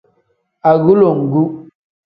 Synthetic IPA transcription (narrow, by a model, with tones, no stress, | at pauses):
a˨ɣu˦lo˨ŋ̩˨ɡu˦